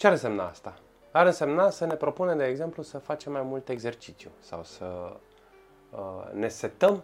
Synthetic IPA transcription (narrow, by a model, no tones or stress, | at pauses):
t͡ʃeaɾɨnse̞mna̰a̰st̪a | aɾɨnse̞mnasəne̞pɾo̞pune̞md̪eːɡze̞mplusəfat͡ʃe̞mːajmult̪e̞ɡze̞rt͡ʃit̪sjṵsa̰wsə | əne̞se̞t̪əm